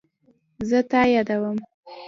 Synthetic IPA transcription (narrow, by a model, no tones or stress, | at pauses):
zət̪ɑjɑd̪awəm